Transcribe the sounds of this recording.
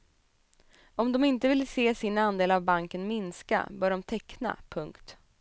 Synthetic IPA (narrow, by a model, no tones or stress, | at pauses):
ɔmd̪ɔmɪnt̪əvɪlseːsinand̪eːlavbaŋkənmɪnska̰bœːɖɔmt̪ʰɛkna̰pʰɵŋkt̪